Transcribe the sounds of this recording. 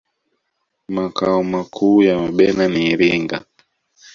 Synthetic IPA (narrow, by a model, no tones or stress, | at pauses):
makaɔmakʰuːjamaɓɛnaniːɾiŋɡa̰